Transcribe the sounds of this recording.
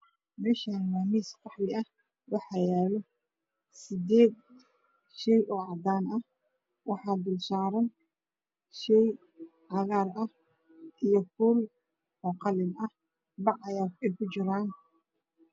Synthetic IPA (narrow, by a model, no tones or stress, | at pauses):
mɛːʃaːnwaːmiːskɑħlɪɐh | wɑħɑjɛːlɔ | sɪd̪ɛːd̪̚ | ʃɛjʔɔːʕɑd̪aːnɐh | wɑħɑːd̪ʊlsaːɾɐn | ʃɛj | ʕɑɣaːrɐh | ʔijɔkʊl | ɔqɑlɪnɐh | bɑʕɐjaːlkɛjkʰʊt͡ʃɪɾaːn